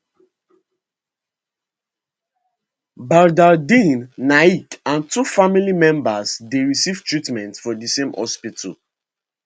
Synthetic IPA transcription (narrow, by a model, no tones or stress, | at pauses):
baɹdadĩnːaikãntufamilimɛ̃mbasdeɹisivtɹitmɛ̃ntfɔdisẽmhɔ̰spitʰṵl